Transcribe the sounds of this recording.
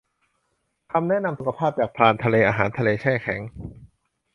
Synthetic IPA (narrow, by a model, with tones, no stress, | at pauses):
kʰa˧mnɛ˦˥˨na˧msu˨˩kʰa˧pʰaː˥˩p̚t͡ɕaː˨˩k̚pʰlaː˧nt̪ʰa˧leː˧ʔaː˧ɦaː˩˦nt̪ʰa˧leː˧t͡ɕʰɛː˥˩kʰɛ˩˦ŋ